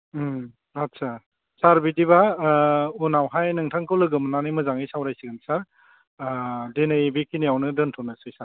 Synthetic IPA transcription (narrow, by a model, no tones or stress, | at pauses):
atsʰa | saɾbidiba | unawɦajnɯŋtʰaŋkʰɯwlɯɡɯmnanɯjmɯzaŋisawɾajsiɡɯnsaɾ | denɯjbikinijawnɯdɯntʰɔnasɯjsaɾ